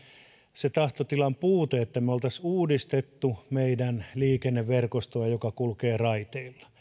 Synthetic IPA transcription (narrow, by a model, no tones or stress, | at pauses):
set̪ɑht̪ot̪ilɑmpuːt̪eet̪ːæmeolt̪ɑsuːdist̪et̪ːumeidænliːkenːeʋʋerkost̪oɑjokɑkulkeːrɑit̪eilːɑ̥